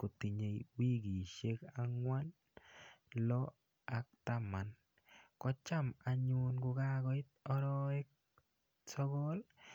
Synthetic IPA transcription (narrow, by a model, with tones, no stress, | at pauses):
ko˨t̪i˨ɲe˨wi˦ɡi˨ʃe˦ka˦ŋwa˦n | lɔ˦ | a˦k̚t̪a˦ma˨n | kɔ˦t͡ʃa˦ma˨ɲʊnɡʊ˨˧ɡa˦ɡɔ˦ɪ˦t̪ɔ˦ɾɔ˦ɛ˦k̚ | sɔ˦ɡɔ˦l